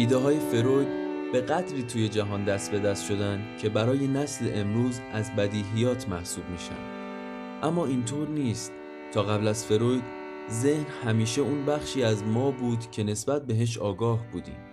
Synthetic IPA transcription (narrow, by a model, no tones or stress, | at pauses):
ʔiːd̪eɦɒːje̞fe̞ɾojd̪b̥e̞ɣæd̪ɾiːt̪ʰuːje̞d͡ʒæɦɒːnd̪æst̪̚be̞d̪æst̪ʃo̞d̪ænd̪cʰe̞bæɾɒːje̞næsle̞ʔemɾuːzæzbæd̪iːɦijɒːt̪ʰmæhsuːbmiːʃæ̰nd̪̥ | ʔæmːɒːint̪ʰoːɾniːst̪ | tʰɒːɣæblæz̥fe̞ɾojd̪ | ze̞hnhæmiːʃe̞uːnbæχʃiːæzmɒːbuːd̪cʰe̞ne̞sbæt̪̚be̞ɦe̞ʃ̬ɒːɡɒːhbuːd̪ḭːm